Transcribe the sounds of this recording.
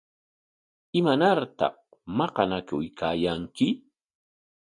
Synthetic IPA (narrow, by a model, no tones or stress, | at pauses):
ɪmanaɾt̪ɑ̰χ | mɑqɑnakʊjkʰaːjaŋkɪ